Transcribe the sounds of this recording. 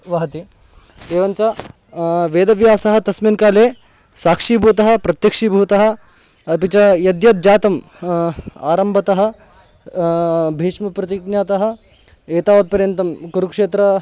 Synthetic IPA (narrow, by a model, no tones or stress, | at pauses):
ʋɐɦɐt̪i | d̪eːʋɐnt͡ʃa | ʋeːd̪ɐʋjaːsɐɦɐ̆t̪ɐsminkaːleː | saːkʂiːbʱuːt̪ɐɦɐ̆pɾɐt̪jɐkʂiːbʱuːt̪ɐɦɐ̆ | ɐpit͡ʃɐjɐd̪jɐt̪̚d͡ʒaːt̪ɐm | a̰ːɾɐmbʱɐt̪ɐɦɐ̆ | bʱeːʂmɐpɾɐt̪iknjaːt̪ɐɦɐ̆ | eːt̪aːʋɐt̪̚pɐɾjɐnt̪ɐmkuɾukʂeːt̪ɾɐ